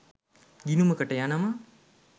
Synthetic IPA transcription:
ɡinuməkəʈəjanama

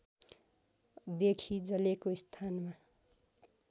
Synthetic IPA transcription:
d̪ekʰid͡zʌlekoist̪ʰanma

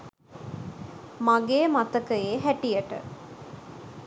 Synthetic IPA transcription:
maɡeːmat̪əkəeːɦæʈijəʈə̰

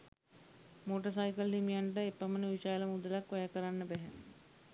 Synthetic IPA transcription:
moːʈəs̬ajkəlːimijaɳʈəepːəmənəʋiʃaːləmud̪əlakʋajakəɾanːəbɛɦɛ

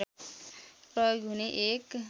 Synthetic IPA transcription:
pɾʌjoɡɦuneʔek

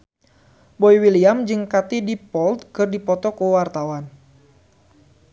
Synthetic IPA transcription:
boiwiliamd͡ʒɨŋkat̪idipɔlt̪̚kɨrdipɔt̪ɔkəwart̪awan

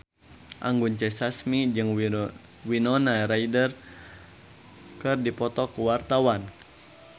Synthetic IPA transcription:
ʔa̰ŋɡunt͡ʃɛsasmid͡ʒɨŋ | winɔnaɾaidər | kɨrdipɔt̪ɔkuwart̪awan

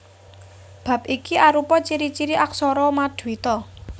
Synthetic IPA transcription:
b̥ä̤p̚ikiʔaɾupɔt͡ʃiɾit͡ʃiɾiʔaksɔɾɔmad̪̥uwit̪ɔ

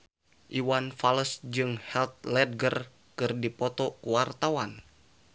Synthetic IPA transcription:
ʔiwanfaləsd͡ʒɨŋhɛlt̪̚lɛd̚ɡər | kɨrdipɔt̪ɔkuwart̪awan

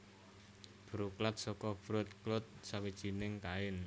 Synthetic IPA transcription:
b̥ɾuklat̪̚sɔkɔb̥ɾʊt̪̚klʊt̪̚sawid̥ʒ̥i̤nɪŋkaɪn

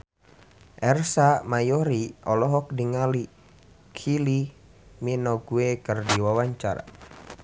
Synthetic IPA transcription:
ʔɛrsamajɔɾiɔlɔɦɔk̚diŋali | kʰili | minɔɡuekərdiwawaɲt͡ʃa̰ɾa̰

